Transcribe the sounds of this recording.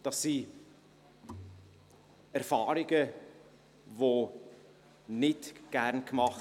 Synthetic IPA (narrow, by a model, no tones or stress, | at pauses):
d̥ɑsːi | ɛɾfɑːɾɪɡə | vo | nɪdɡ̥æɾnkmɑχ